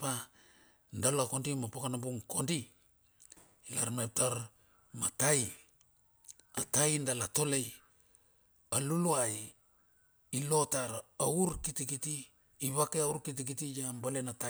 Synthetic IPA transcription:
pa | ndalako̞ndimapakanabuŋkʰo̞ndi | la̰ɾmep̚taɾ | ma̰taj | atajndalato̞le̞j | aluluaj | ilo̞taɾauɾkitikitiː | βakeauɾkit̬ikitijambalenata

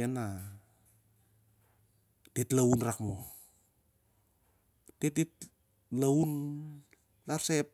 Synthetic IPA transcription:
ena | titlaunrakmo | tet̚it̚ | laun | laɾsep̚

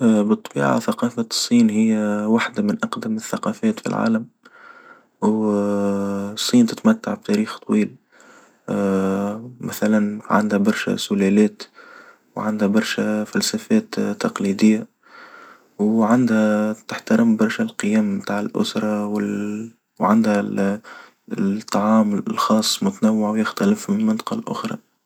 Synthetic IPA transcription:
bɨt̪ˤːɑbḭːʕa̰θɑqɑːfasˤːiːnɦɪjːæwaħd̪amɪnʔɑqd̪ɪmɪθːɑqɑfɛːt̪fḭlʕa̰ːləm | w | sˤːiːnt̪ɪt̪mæt̪ːaʕb̚t̪æɾiːxt̪ˤwiːl | mæθælanʕa̰nd̪hæbɑɾˤʃæ̰sʊlælɛːt̪ | wʕand̪hæbɑɾˤʃæfælsæfɛːt̪ːɑqlid̪ɪjːa | wʕand̪hæt̪ɪħt̪aɾɪmbɑɾˤʃælqɨjɛːmmt̪aːʕɪlʔʊ̰sɾˤɑwɪ | wʕand̪hæ | t̪ˤːɑʕɑːmlxɑːsˤːmʊt̪anawːaʕwjɪxt̪ælɪfmɪmɪnt̪ˤɑ̥qɑlʔʊ̰xɾˤɑ̰

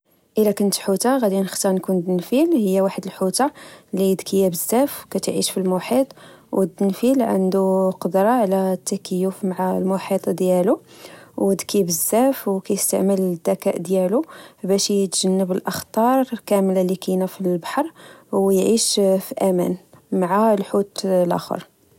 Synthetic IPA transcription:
ʔəlækənt̪ħut̪aɣæd̪inəxt̪ɑɾnkund̪nfilhəjːæwaħəd̪əlħut̪alid̪kʰəjːæbəzːæfwkæt̪ʕiʃfilmuħit̪ˤwd̪ənfilʕə̰nd̪uqɑd̪ɾˤɑʕlæt̪ːækəjufmaʕalmuħit̪ˤd̪jæluwd̪kʰibəzːæfwkæjəst̪a̰ʕməld̪ːækæʔd̪jælubæʃjt̪ʒənːəbəlʔəxt̪ˤɑɾˤkæmlalikinæfilbɑ̥ħɑɾˤwjʕiʃfiʔæmæ̰nmaʕalħut̪lʔæ̰xə̰ɾˤ

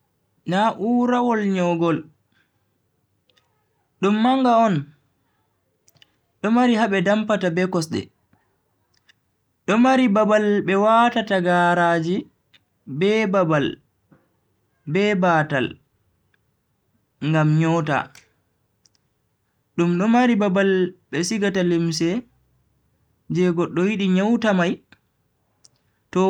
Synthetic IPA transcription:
naʔuːɾawɔlɲɔɡɔl | ɗumːaŋɡaɔn | ɗɔmaɾiɦabɛdampatabɛkɔsɗɛ̰ | ɗɔmaɾibabalbɛwatataɡaːɾaːd͡ʒi | bɛbabal | bɛbata̰l | ŋɡamɲɔta̰ | ɗumɗɔmaɾibabalɓɛsiɡatalims̬ɛ | d͡ʒɛɡɔɗːɔjiɗiɲawtamaj | tɔ

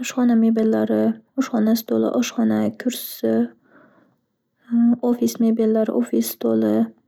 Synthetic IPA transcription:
ɒʃχɒnamebelːaɾɪɒʃχɒnast̪ʰolˠɪ̰ʔɒʃχɒnakʲʰʊɾsɪ | ofismebelːaɾɪ̰ʔofist̪ʰolɪ

